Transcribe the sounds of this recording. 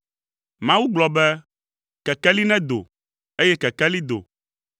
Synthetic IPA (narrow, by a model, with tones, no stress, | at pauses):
mã˦wu˦ɡ͡blɔ˨bɛ˦ | kɛ˨kɛ˦li˦nɛ̃˦d̪o̰˨ | e˦jɛ˦kɛ˨kɛ˦li˦d̪o̰˨